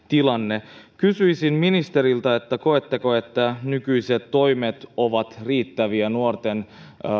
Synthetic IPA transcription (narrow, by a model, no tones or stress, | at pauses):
t̪ilɑnːekysyjsinminist̪eɾilt̪ɑe̞t̪ːæko̞et̪ːeko̞e̞t̪ːænykyjset̪to̞jmet̪o̞ʋɑt̪riːt̪ːæʋiænuort̪en